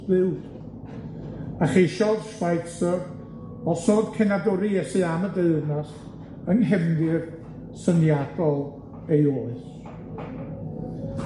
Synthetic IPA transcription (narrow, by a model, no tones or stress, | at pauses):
vɨwd̥ | aχejʃɔðʃwajtsəv | ɔsoːd̥kʰɛnadɔɾɨjɛsɨamədeɨðnast | əŋɦɛmdɨr | sənjadɔlˠ | ejoːɨs